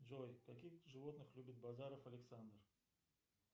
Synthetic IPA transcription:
d͡ʒojkakʲixʐɨvot̪nɨχlʲubʲit̪̚bazaɾofɐlʲɪksand̪r

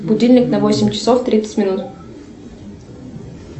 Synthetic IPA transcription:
bʊdʲilʲnʲɪknɐvosʲɪmʲt͡ɕɪ̥soft̪ɾʲit̪sə̥tʲmʲɪnut̪

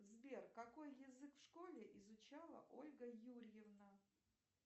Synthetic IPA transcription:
zbʲerkɐko̞jjɪzɨkfʂkolʲɪʔɪzʊt͡ɕalˠə̰ʔolʲɡəjuɾʲjɪvnə

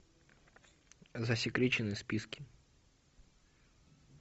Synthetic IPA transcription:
zɐsʲɪkɾʲet͡ɕɪnɨspʲiskʲiɪ

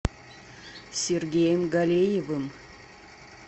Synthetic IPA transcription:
sʲerɡʲejəmɡalʲejevɨm

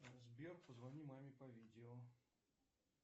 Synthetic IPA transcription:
zbʲerpəzvɐnʲimamʲɪpɐvʲidʲɪɔ

